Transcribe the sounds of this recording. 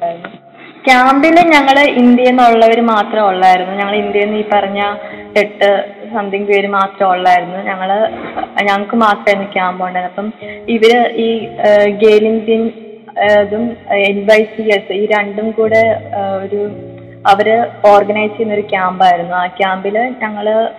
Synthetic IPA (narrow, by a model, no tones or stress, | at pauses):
anːu | kʲjaːmbileɲɐŋːɐɭind̪jɐjenːoɭːɐʋɐɾɨmaːt̪rɐmoɭːaːjiɾunːuɲɐŋːɐɭind̪jɐjenːiːpɐrɐɲːɐkeʈːɨsɐnd̪ʱiŋɡiɐɾumaːt̪rɐmoɭːaːjiɾunːuɲɐŋːɐɭɲɐŋkːɨmaːt̪rɐajɾunːukʲaːmbɐoɳɖenɐpːɐmiʋɐɾɨiːɡeːliŋdin | ɐðumenʋɐjsiesɨiːɾeɳɖumkuːɽe̞o̞ɾu | ɐʋɐɾɨo̞ːrɡɐnɐjst͡ɕːejnːo̞ɾukʲjaːmbaːjiɾunːuaːkʲjaːmbilɲɐŋːɐɭ